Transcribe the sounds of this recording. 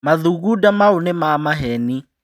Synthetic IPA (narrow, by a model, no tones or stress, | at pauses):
maðuɣudamaonemaːmaɦɛni